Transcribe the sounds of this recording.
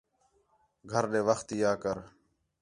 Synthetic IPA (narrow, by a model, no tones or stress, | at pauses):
ɡʱəɾɗeːʋəxt̪ɪjaːkəɾ